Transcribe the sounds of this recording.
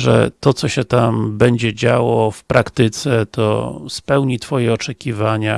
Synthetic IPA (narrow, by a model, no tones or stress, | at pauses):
ʐɛ̰t̪ɔt̪sɔɕɛt̪ambɛɲd͡ʑɛd͡ʑawɔfpɾʔakt̪ɘt̪sɛt̪ʰɔ̰spɛwɲit̪fɔjɛɔt͡ʂɛkʲivaɲa̰